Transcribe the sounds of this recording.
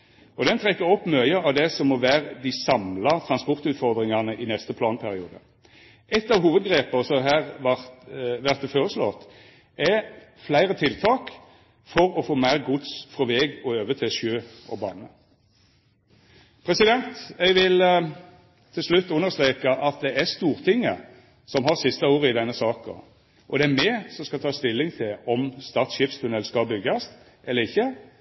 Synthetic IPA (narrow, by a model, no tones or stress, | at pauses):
ɔd̪ɛnt̪ʰʁɛkːəɾɔpːmœʏəɑʋd̪ɛsɔmɔːʋæːʁəd̪isɑmlɑt̪ʰʁɑnspɔʁt̪ʉːt̪fɔʁd̪ʁɪŋɑʁnəʔinɛst̪əpʰlɑːnpʰæʁɪṵːd̪ə̰ | ʔɛt̪ːɑʋɦuːʋəd̪ɡʁeːpəsɔɦæːʁɑʋæʁt̪əfoːʁəslɔ̰t̪ | ɛflæɪʁət̪ʰɪlt̪ʰɑːk | fɔɾɔfoːmæɪʁɡʊd̪sfʁɔʋɛːɡɔøːʋət̪ʰɪlʃøːɔ̰bɑ̰ːnə | pʰɾɛsɪd̪ɛnt̪ɛɡʋɪl | t̪ʰɪlslʉt̪ːʉnːəʁst̪ɾeːkɑʔɑt̪̚d̪ɛæst̪uːɾt̪ʰɪŋːə | sɔmɦɑʁsɪst̪əuːʁəɪd̪ɛnːəsɑːkə̰ | ʔɔd̪ɛæɾmɛsɔmskɑt̪ʰɑːst̪ɪlːɪŋt̪ʰɪlɔmst̪ɑt̪sçɪfst̪ʰʉnɛlskɑbʏɡːɑst̪ | ʔɛlːəɾɪçːə